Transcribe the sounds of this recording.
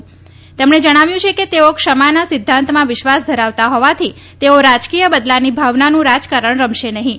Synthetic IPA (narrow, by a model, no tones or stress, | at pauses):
t̪emɳed͡ʒəɽ̃aʋjũt͡ʃʰeket̪eokʃəmanasɪd̪ʱːãnt̪mãʋɪʃʋasd̪ʱəɾaʋt̪aɦɔʋat̪ʰi | t̪eoɾad͡ʒkijəbəd̪lanibʱaʋnanũɾad͡ʒkaɾəɳ̃ɾəmʃenəɦĩ